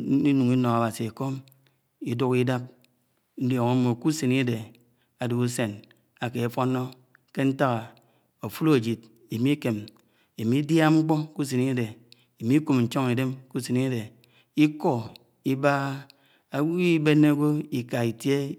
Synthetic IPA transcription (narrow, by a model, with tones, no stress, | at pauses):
i˦nu˨ŋi˦no˨a˨ba˨si˨e˨ko˦m | i˦du˦ki˦da˦p̚ | n̩˦do˨ŋo˦mo˨ku˦se˨ni˦a˦de˨ | a˨du˨u˦se˨n | a˨ke˨a˨fo˦no˦ | ke˦n̩˦ta˦ɣa˨ | o˨fu˦lo˦e˨d͡ʒi˨t̚ | i˨mi˦ke˨m | i˨mi˦dja˦ŋ͡m̩˦k͡po˦ku˦s̬e˨ni˦a˦de˨ | i˨mi˦ku˨mn̩˨t͡ʃo˦ŋi˨de˦mku˦se˨ni˦de˨ | i˦ko˦ | i˦ba˦ | a˦wi˦be˦nːe˦ɡo˦i˨ka˨i˨tje˦